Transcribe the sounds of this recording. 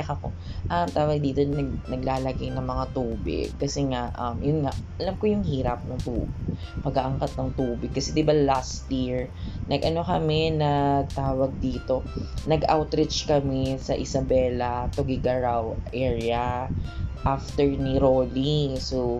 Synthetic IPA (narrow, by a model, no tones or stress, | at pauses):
ɐkɐko | ʔɐmt̪aːwɐɡ̚d̪iːt̪onɐɡnɐɡ̚laːlɐɡajnɐŋmɐŋat̪uːbɪ̰ɡ̚kɐsɛŋaʔɐmjʊnŋaʔʔɐlamkojʊŋhiːɾɐp̚nɐŋt̪ṵːbɪɡpɐɡaʔɐŋkat̪̚nɐŋt̪uːbɪɡ̚kːɐsɛd̪ɪbɐlast̪jiɹnɐɡʔɐno̞kɐmɛnɐt̪aːwɐɡ̚d̪iːt̪o̞nɐɡʔawt̪ɾɪt͡ʃkɐmɛsɐʔɪsɐbɛːlɐt̪oɡɪɡɐɹawʔɛːɹɪɐ | ʔaft̪ɛɹniɾoliso